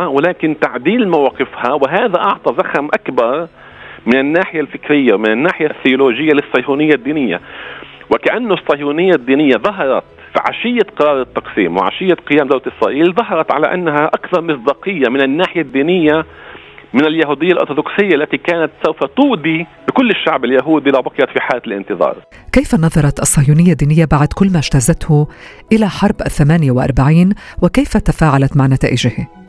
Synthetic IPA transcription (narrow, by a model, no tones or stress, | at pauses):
awɪlaːkɪnt̪aʕd̪iːlmawaːqɪfhawɪɦaːðaʔɑʕt̪ˤɑzaxamʔakbɑɾˤ | mɪnɪnːaːħɪjalfɪkɾɪjːamɪnɪnːaːħɪjaθːɪʊloːʒɪjːalɪsˤːɑjhuːnɪjːad̪ːiːnɪjːa̰wɪkaʔanːʊsˤːɑjhuːnɪjːad̪ːiːnɪjːaðˤɑɦɑɾˤɑt̪ | fʕa̰ʃɪjːaqɑɾˤɑːɾˤɪt̪ːɑqsiːmwɪ̰ʕa̰ʃɪjːaqɪjaːmd̪awɾat̪ʔɪsɾˤɑ̰ːʔiːlðˤɑɦɑɾˤɑt̪ʕala̰ʔa̰nːaɦaʔakθɑɾˤmɪsd̪ɑːqɨjːamɪnɪnːaːħɪjad̪ːiːnɪjːa | mɪnɪljaɦuːd̪ɪjːalʔo̰ɾt̪ʊd̪oksɪjːaʔalːat̪ikaːnat̪sawfat̪uːd̪ibɪkʊlːɪʃːaʕbɪljaɦuːd̪ilawbɑqɑjɑt̪fiħaːlalʔɪ̰nt̪ɨðˤɑ̰ːɾˤ | kejfanɑðˤɑɾˤɑt̪ʔɑsˤːɑːjuːnɪjːad̪ːiːnɪjːabaʕd̪kʊlːmaʒt̪azat̪hʊ | ʔɪlaħɑɾˤbʔaθːamaːnjawɪʔɑ̰ɾˤbaʕiːnwɪkejfat̪afaːʕalat̪maʕnat̪a̰ːʔɪʒɪhi